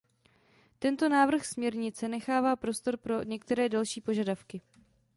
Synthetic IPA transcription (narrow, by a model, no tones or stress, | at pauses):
t̪ɛnt̪o̞naːvr̩xsmɲɛɾɲɪt͡sɛnɛxaːvaːpɾo̞st̪o̞ɾpɾo̞ɲɛk̚t̪ɛɾɛːdalʃiːpo̞ʒadafkɪ